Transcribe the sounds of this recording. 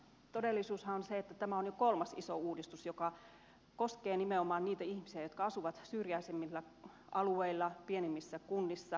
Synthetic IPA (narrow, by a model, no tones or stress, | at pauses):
t̪odelːisuːshɑonseet̪ːæt̪æmæonjokolmɑsisouːdist̪usjokɑ | koskeːnimeomɑːnniːt̪æihmisiæjot̪kɑɑsuʋɑt̪syːrjæisemːilːæ | ʔɑlueilːɑpienimːisːækunːisːɑ